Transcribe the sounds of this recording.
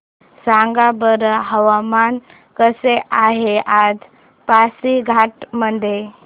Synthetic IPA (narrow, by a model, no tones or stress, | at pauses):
saŋɡabəɾəɦəʋaman | kəseʔaɦeʔad͡z | pasiɡʱaʈməd̪ʱje